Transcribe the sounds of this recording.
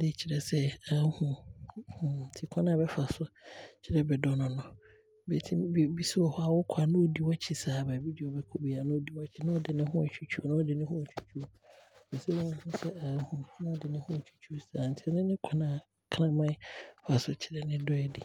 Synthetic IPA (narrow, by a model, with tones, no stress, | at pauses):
dɪ˦t͡ɕʰi˨ɾɛ˨sɛ˦a˨˦hũ˨htʰi˨kʰã˦nã˨bɛ˦fa˨sʊ˦t͡ɕʰɪ˨ɾɛ˦bɛ˨dɔ˦nʊ̃˨nʊ̃˨ | bɛ˨tʰi˦˨bi˦si˦wɔ˨hɔ˦a˨wʊ˦kʰa˨nʊ̃˦o˦di˨wa˦t͡ɕʰi˨saː˨bɛ˨bi˦d͡ʑi˨ɔ˨bɛ˦kʰo˦bi˨a˨nʊ̃˦o˦di˨wa˦t͡ɕʰi˨nã˦ɔ˦dɪ˨nɪ̃˦ɦʊ̃˦a˨t͡ɕʰᶣu˨t͡ɕʰᶣu˦o˦nã˦ɔ˦dɪ˨nɪ̃˦hʊ̃˦˨t͡ɕʰᶣu̥˦t͡ɕʰu˦o˨ | bɛ˨sɛ˦wõ˦ñ˦hũ˦sɛ˦a˨˦hũ˨nã˦dɪ˨nɪ̃˦hʊ̃˦˨t͡ɕʰu̥˦t͡ɕʰu˦sa˨n̩˨tʰɪ˦ɛ˦nɪ̃˦nɪ̃˦kʷʰa˦nã˨ | kʰnã˦mã˦fa˨sʊ˦t͡ɕʰɪ˨ɾɛ˨nɪ̃˦dɔ˦ɛ˨di˨